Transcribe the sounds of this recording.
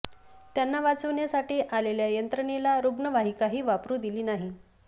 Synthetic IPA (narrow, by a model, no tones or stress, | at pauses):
t̪janːaʋat͡səʋɳjasaʈiːʔaleljajənt̪ɾəɳ̃elaɾuɡɳəʋaɦikaɦiːʋapɾuːd̪iliːnaɦi